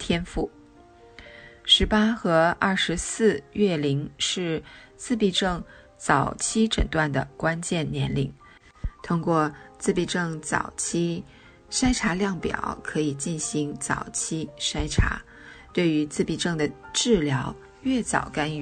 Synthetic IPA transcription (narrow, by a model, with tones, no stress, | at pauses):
t̪ʰjɛ˥nfu˥˩ | ʂɻ̩˧˥pa˥xɤ˧˥ɐ˥˩ʂɻ̩˧˥sɹ̩˥˧ɥɛ˥˩li˧˥ŋʂɻ̩˥˧ | t͡sɹ̩˥˧pi˥˧ʈ͡ʂɤ˥˩ŋ | t͡sɑ˨˩ʊt͡ɕʰi˥ʈ͡ʂə̰˨˩ŋt̪wa˥˩nd̪ə̰˩kwa˥nt͡ɕjɛ˥˩nnjɛ˧˥nli˨˩˦ŋ | t̪ʰʊ˥ŋkwɔ˥˧t͡sɹ̩˥˧pi˥˧ʈ͡ʂɤ˥˩ŋt͡sɑ̰˨˩ʊt͡ɕʰi˥ | ʂa˥ɪʈ͡ʂʰa˧˥ljɑ˥˩ŋpjɑ̰˨˩˦ʊkʰɤ˧˥i˨˩t͡ɕi˥˩nɕi˧˥ŋt͡sɑ̰˨˩ʊt͡ɕʰi˥ʂa˥ɪʈ͡ʂʰa̰˧˥ | t̪we˥˩ɪy˧˥t͡sɹ̩˥˧pi˥˧ʈ͡ʂɤ˥˩ŋd̪ə˩ʈ͡ʂɻ̩˥˩ljɑ˧˥ʊ | ɥɛ˥˩t͡sɑ̰˨˩ʊka˥ny˥˩